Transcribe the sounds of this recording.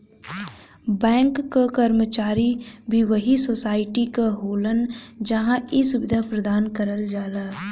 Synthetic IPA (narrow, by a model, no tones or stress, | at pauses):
bɛ̃ːŋkːakɐɾmət͡ʃaːɾibʱiʋɐɦisoːsaːɪʈikaɦoːlənd͡ʒɐɦãʔisʊbɪd̪ʱapɾɐd̪aːnkəɾəld͡ʒaːlaː